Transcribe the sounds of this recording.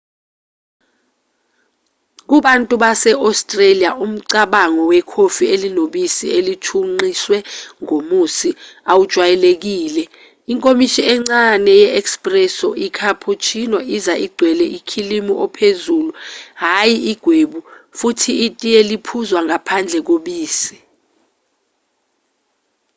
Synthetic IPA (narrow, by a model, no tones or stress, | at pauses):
k̬uɓantʼuɓasɛʔɔstʼreliaʔum̩ǀaɓaŋɔwɛkʰofielinoɓisielitʰuŋ͡ǃiswɛŋomusiawud̥ʒ̥ʱwajɛlek̬iːlɛ | iŋkʼomiʃiɛŋ͡ǀanɛjɛɛkspʼrɛsɔʔikʰapʰut͡ʃʰinɔʔizaʔiɡ͡ǀʱwɛlɛʔikʰilimiʔɔpʰezuːluɦajiiɡ̥ʱweɓufutʰiːtʼijelipʰuzwaŋapʰand͡ɮʱɛk̬oɓiːsi̥